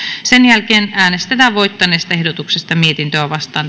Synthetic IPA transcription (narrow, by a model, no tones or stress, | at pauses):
senjælkeːnæːnest̪et̪æːʋʋoit̪ːɑneːst̪ɑehdot̪uksest̪ɑmiet̪int̪øæʋɑst̪ɑːn